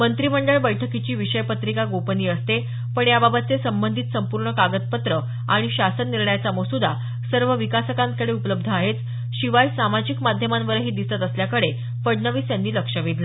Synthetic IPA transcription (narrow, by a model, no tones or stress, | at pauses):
mənt̪ɾiməɳɖəɭbəjʈʰəkit͡ɕiːʋiɕəjpət̪ɾikaɡopəniːəst̪e | pəɳjababət̪̚t͡sesəmbənd̪ʱit̪səmpuɾɳəkaɡət̪̚pət̪ɾə | aɽ̃iɕasənːilɳjat͡saməsud̪a | səɾʋəʋikasəkankəɽeupələb̚d̪ʱəaɦet͡s | ɕiʋajsamad͡ʑikmad̪ʱjəmanʋəɾɦiːd̪ist̪at̪əsljakəɽe | fəɖɳəʋiːsjanːiːləkʂəʋid̪ʱla